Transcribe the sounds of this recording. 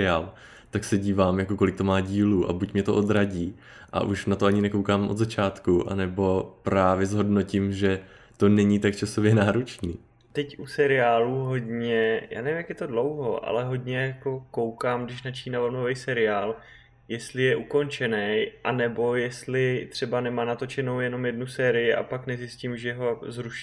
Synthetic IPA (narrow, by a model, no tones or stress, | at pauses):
ɪaːl | t̪aksɛɟiːvaːmjako̞ko̞lɪk̚t̪o̞maːɟiːluːʔa̰bucmɲɛt̪oʔo̞d̪ɾaɟiː | ʔa̰ʔuʃnat̪oaɲɪnɛko̞wkaːmʔod̪zat͡ʃaːt̪kuʔa̰nɛbo̞pɾaːvjɛzɦo̞dno̞cɪmʒɛ | t̪o̞nɛɲit̪ak̚t͡ʃaso̞vjɛnaːɾot͡ʃniː | t̪ɛcʔusɛɾɪaːluɦo̞ɟɲɛja̰ːnɛvɪmjakjɛt̪o̞dlo̞wɦo̞ʔa̰lɛɦo̞ɟɲɛjako̞ko̞wkaːmɡdɪʃnat͡ʃiːnavonovɛjsɛɾɪaːl | jɛst̪lɪjɛʔuko̞nt͡ʃɛnɛjʔanɛbo̞jɛst̪lɪt̪r̥ɛbanɛmaːnat̪o̞t͡ʃɛno̞wjɛno̞mjɛdnusɛːɾɪjɪʔa̰paknɛzɪscimʒɛɦo̞zɾuʃ